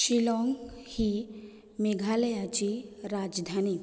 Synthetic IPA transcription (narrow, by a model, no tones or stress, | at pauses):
ɕilɔŋɡhi | meɡʱaləjat͡ɕiɾad͡zd̪ʱani